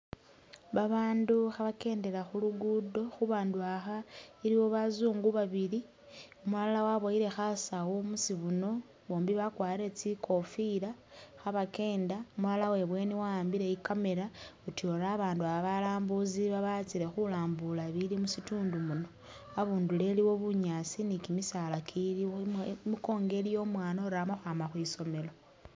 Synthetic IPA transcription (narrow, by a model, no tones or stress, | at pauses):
βaβaːnduxaβake̞ːnde̞ɾaxuluɡudo̞xuβaːnduaxaiɾiβo̞βazuːŋɡuβaβiɾi | omualawaβoiɾe̞xasawomusiβuno̞ | βo̞ːmbiβakwaːiɾe̞t͡sikʰo̞fiɾaxaβake̞ːndaomulalawe̞βwe̞niwaaːmbiɾe̞ikame̞ɾautio̞ɾaːβaːnduaβaβalaːmbuziβaβat͡siɾe̞xulaːmbulaβilimusituːndumuno̞ | aβuːndule̞liwo̞βuɲaːsinikimisalakʰiimuko̞ːŋɡe̞lijo̞ːmwaːnoɾaːmoxwaːmaxwiːso̞me̞lo̞